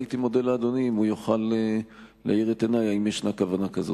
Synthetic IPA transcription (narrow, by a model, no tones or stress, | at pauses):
it̪imo̞de̞laːd̪o̞nimujoχaleː | ḛiʁet̪enajaimjeʃnakavanakazo̰